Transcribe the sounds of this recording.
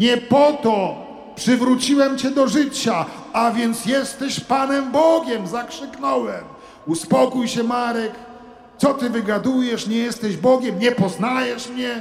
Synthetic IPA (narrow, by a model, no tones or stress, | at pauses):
ɲɛpɔt̪ɔ | pʂɘvɾut͡ɕiwɛmt͡ɕɛd̪ɔʐɘt͡ɕa | avʲjɛnt̪sjɛst̪ɛɕpanɛmbɔɡʲɛmzakʂɘknɔwɛm | uspɔkujɕɛmaɾɛk | t̪sɔt̪ɘvɘɡad̪ujɛʂɲɛjɛst̪ɛʑbɔɡʲɛmɲɛpɔznajɛʂmɲɛ